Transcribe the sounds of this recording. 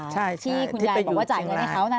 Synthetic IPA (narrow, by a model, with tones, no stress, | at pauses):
t͡ɕʰa˥˩jt̪ʰiː˥˩kʰu˧nː˥jaː˧bwaː˥˩t͡ɕaː˨˩jŋ˧˥˩kʰa˦˥wna˥˩